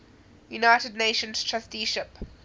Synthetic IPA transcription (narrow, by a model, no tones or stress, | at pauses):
junaɪtədneɪʃə̃nz̥tʰɹɛstiʃɪp